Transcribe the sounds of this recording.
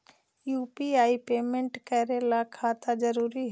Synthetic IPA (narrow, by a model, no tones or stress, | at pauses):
juːpiaːipeːmẽɳʈkɛɾelakʰaːt̪ad͡ʒəɾuːɾiɦ